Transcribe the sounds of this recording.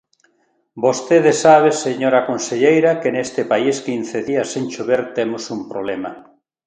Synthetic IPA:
bost̪eðesaβ̞eseɲoɾakonseʎejɾakenest̪epaiskin̟θeðiasːent͡ʃoβeɾt̪emʊsumpɾoβlema

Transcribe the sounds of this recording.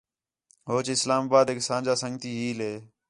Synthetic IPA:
ɦoːt͡ʃɪslaːmaːbaːd̪eːksãːd͡ʒaːsəŋɡt̪iːɦiːleː

